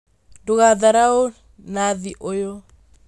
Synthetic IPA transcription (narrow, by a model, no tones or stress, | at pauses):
duɣaðaɾao | naðiʔojo